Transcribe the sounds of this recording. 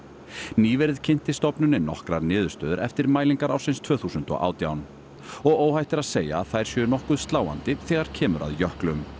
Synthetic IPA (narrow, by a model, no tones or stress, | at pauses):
niːvɛɾɪðcʰɪn̥t̪ɪst̪ɔpnʏnɪnɔhkɾaɾnɪːðʏɾ̥st̪œːðʏɾʔɛ̰ft̪ɪɾmaːjliŋkaɾawsɪnst̪ʰv̥œːθuːsʏnt̪ɔ̰ɣʔa̰ːwt̪jawn | ɔɣoːwhajht̪ɪɾaðseːja̰ðθajɾ̥sjɛnɔhkʏðst̪laːwa̰nt̪ɪθɛːɣaɾ̥cʰɛːmʏɾa̰ðjœhklʏm